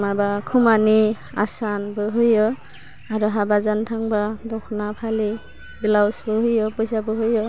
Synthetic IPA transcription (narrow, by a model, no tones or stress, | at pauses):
mabakʰumani | a̰sanbɯɦɯjɔ | aɾɔɦabazantʰaŋbadɔkʰnapʰali | bilawsbɯhujɔpɔjsabɯɦujɔ